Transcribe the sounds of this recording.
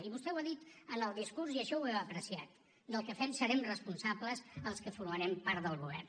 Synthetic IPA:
iβust̪ɛwaðit̪ənəlˠd̪iskuɾsiəʃɔwɛwəpɾəsiat̪̚ | d̪əlˠkəfɛmsəɾɛmrəspunsabləzəlˠskəfuɾməɾɛmpaɾt̪ðəlˠɣuβɛ̰r

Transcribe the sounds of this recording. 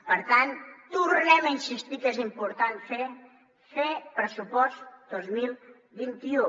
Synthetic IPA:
pəɾt̪ant̪uɾnɛmainsist̪ikezimpuɾt̪anfe | fepɾəsupɔst̪d̪̥ozmilˠ | βint̪iu

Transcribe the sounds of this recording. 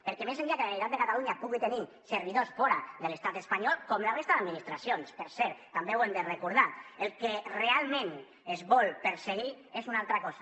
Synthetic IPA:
peɾkemeseniakelannit̪ad̪d̪ekat̪aluɲapuɣit̪eni | seɾβ̞iðosfɔɾaðelest̪at̪espaɲɔlˠkɔmlarest̪aðad̪minist̪ɾasionspeɾsɛɾt̪t̪ːambewemd̪erekuɾðaelˠkerealˠmẽn | ezβɔlpeɾseɣ̞i | ezunalˠt̪ɾakɔzḁ

